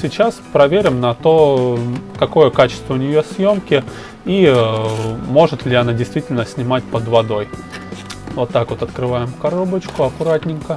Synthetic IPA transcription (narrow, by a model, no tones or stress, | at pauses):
sʲɪt͡ɕaspɾɐvʲeɾʲɪmnɐt̪o̞ | kɐko̞jəkat͡ɕɪ̥st̪vəʊnʲɪjo̞sʲjo̞mkʲɪ | i | mo̞ʐɨt̪lʲɪɐnadʲɪjst̪vʲitʲɪlʲnəsʲnʲɪmatʲpəd̪vɐd̪o̞j | vo̞t̪ːakvo̞t̪ɐt̪kɾɨvajɪmkɐɾo̞bət͡ɕkʊɐkʊɾatʲnʲɪŋkə